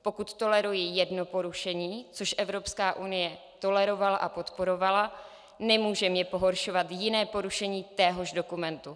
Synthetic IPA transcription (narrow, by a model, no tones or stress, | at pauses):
po̞kut̪ːo̞lɛɾujɪjɛdno̞po̞ɾuʃɛɲiːt͡soʃʔɛvɾo̞pskaːʔunɪjɛ | t̪o̞lɛɾo̞valaʔapo̞t̪po̞ɾo̞vala | nɛmuːʒɛmjɛpo̞ɦo̞ɾʃo̞vat̪jɪnɛːpo̞ɾuʃɛɲiːt̪ɛːɦo̞ʒdo̞kumɛnt̪u